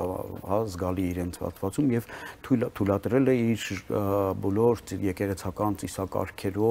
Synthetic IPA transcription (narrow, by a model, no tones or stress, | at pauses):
hɑzɡɑliːɾɛnt͡sʰhɑ̰t̪ʰvɑt͡sumjɛvt̪ʰut̪ʰulɑt̪ɾɛlɛiɾ | bɔlɔɾt͡sjɛkɛʁɛt͡sʰɑkɑnt͡sisɑkɑ̰ɾkʰɛɾɔ